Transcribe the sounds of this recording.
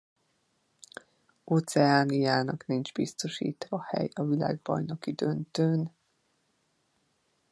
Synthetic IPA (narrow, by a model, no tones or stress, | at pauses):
oːt̪sɛaːnijaːnɒknind͡ʒbist̪o̞ʃḭːt̪ʋɒhɛ̰jɒvila̰ːɡ̚bɒ̰jno̞kid̪ønt̪øːn